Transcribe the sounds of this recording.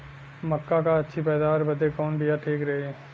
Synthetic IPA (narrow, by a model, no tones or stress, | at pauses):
mɐkːakaɐtːʃʰipɛːd̪aːɾbɐd̪ekɔːnbʱijaʈʰiːkɾɐɦeɛ